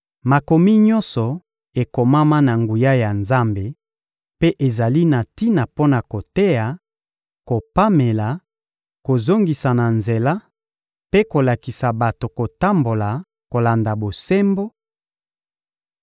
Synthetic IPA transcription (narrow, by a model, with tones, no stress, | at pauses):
ma˨ko˨mi˦ɲɔ̃˦nsɔ˨ | e˨ko˨ma˦ma˦na˨ŋɡu˨ja˦ja˨nza˦mbe˨ | pe˦ʔe˨za˨li˦na˨ti˦na˨po˦na˨ko˨te˦ja˨ | ko˨pa˦me˨la˨ | ko˨zo˦ŋɡi˨sa˨na˨nze˨la˦ | pe˦ko˨la˨ki˨sa˨ba˨to˨ko˨ta˦mbo˨la˨ | ko˨la˨nda˨bo˨se˦mbo˦